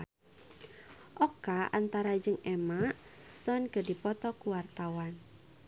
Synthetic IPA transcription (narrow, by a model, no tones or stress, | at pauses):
ʔɔkaʔant̪aɾad͡ʒɨŋɛmaʔst̪ɔnkədipɔt̪ɔkuwart̪awan